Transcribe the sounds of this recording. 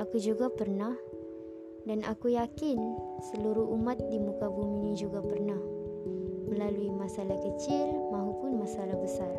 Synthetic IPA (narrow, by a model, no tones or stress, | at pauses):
akud͡ʒuɡapərnah | danʔakujakɪnsəluɾuɦumat̪̚dimukabuminid͡ʒuɡapərnah | məlaluimasalahkət͡ʃɪlmaɦupʊnmasalahbəsar